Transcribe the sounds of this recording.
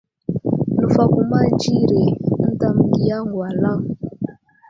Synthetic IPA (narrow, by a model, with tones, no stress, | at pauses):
lu˨fa˦˨ku˦ma˦d͡ʒi˦ɾe˨n̩˦da˨m˨ɡi˦ja˦ŋɡwa˨la˦